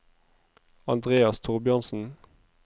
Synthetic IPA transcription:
ɑnd̪ʁeːɑst̪ʰʊʁbʏɑnsn̩

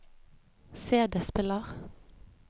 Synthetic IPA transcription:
seːd̪əspɪləʁ

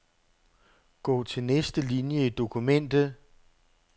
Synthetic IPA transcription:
ɡ̥ɔ̰ːt͡sʰe̝lnesd̥əlinjəid̥o̝kʰumen̰d̥ð̩ˠ

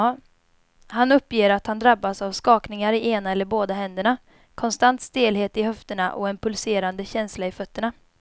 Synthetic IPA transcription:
hanɵpːjeːɾat̪hand̪ɾabːasavskɑːknɪŋaɾɪʔeːnaɛlːəɾboːd̪aɦɛnd̪əɳa | kʰɔnst̪ant̪st̪eːlɦeːt̪ɪɦœft̪əɳa̰ʔɔ̰ɛnpʰɵlseːɾand̪əɕɛnslaɪfœt̪ːəɳa

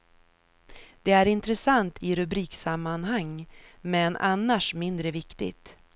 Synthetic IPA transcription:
d̪̥ɛæɾɪnt̪ɾəsant̪ʰɪɾɵbɾiːksamːanhaŋːmɛnʔa̰nːaʂmɪnd̪ɾəvɪkt̪ɪ̰t̪

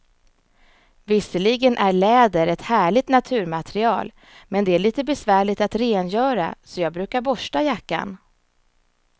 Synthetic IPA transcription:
vɪsːəlɪɡənʔæɭɛːd̪əɾɛt̪hæːɭɪt̪nat̪ʰʉ̟ːɾmat̪ɾɪɑ̰ːl | mɛnd̪ɛæɭiːt̪əbɛsvæːɭɪt̪at̪ɾeːnjœːɾa̰sɔjɑːɡbɾʉ̟ːkaɾbɔʂʈajakːa̰n

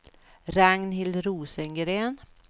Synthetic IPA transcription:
ɾaŋnhɪlɾuːsɛŋɡɾeːn

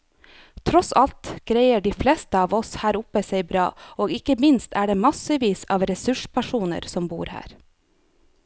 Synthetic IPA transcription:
t̪ʰɾɔsɑlt̪ɡ̥ɾæɪəɖiːflɛːst̪əɑːʋɔshæːɾʊpːəsæɪbɾɑ̰ːoːɡɪkəmɪnst̪ʰæːɖeːmɑsəʋiːsɑ̰ːʋɾɛsʉʂpʰæʂuːnə̰ɾsɔmbṵːɾhæ̰ːɾ

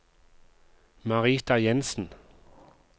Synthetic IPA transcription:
mɑʁiːt̪ɑjɛnsn̩

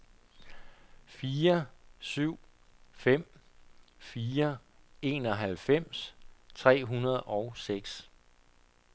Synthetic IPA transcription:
fiːɐsyʊ̰fem̰ | fiːɐe̝̰ːnɒ̽ɦælfem̰st͡sʰʁɛ̰ːɦunɐð̞ˠɒ̽ʊseɡ̥s

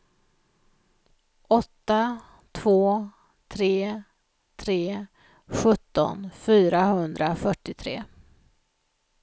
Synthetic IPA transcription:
ɔt̪ːa | t̪ʰv̥oː | t̪ʰɾeː | t̪ʰɾeː | ɧɵt̪ːɔ̰nfyːɾaɦɵnd̪ɾafœʈːɪt̪ʰɾḛː

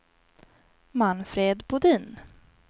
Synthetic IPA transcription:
manfɾeːd̪bʊd̪iːn

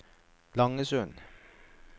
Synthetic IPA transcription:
lɑŋəsʉn

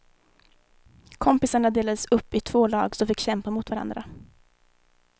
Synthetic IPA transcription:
kʰɔmpɪsaɳad̪eːlad̪əsɵpːɪt̪ʰvoːlɑ̰ːɡsɔmfɪkːɕɛmpamʊt̪vaɾa̰nd̪ɾa

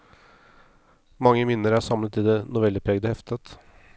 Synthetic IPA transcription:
mɑŋːəmɪnːəɾæsɑmlət̪ɪd̪ɛnʊʋɛləpʰɾeːɡd̪əhɛft̪ət̪

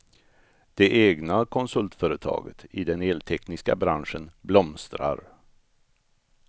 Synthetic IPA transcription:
d̪̥ɛʔeːɡnakʰɔnsɵlt̪fœːɾət̪ʰɑ̰ːɡət̪ʰɪd̪ɛneːlt̪ʰɛknɪska̰bɾanʂənblɔmst̪ɾa̰ɾ

